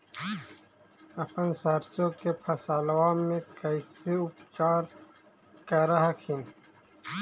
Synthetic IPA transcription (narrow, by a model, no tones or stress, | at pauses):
ɐpɐnsɐɾsõkepʰɐsalwaːmːẽkɐjsiupt͡ʃaːɾ | kɐɾɐɦakʰin